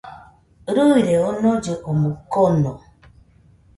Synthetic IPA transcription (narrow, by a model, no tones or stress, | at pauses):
ɾuiɾeɔnɔd͡ʒəʔɔmukɔnɔ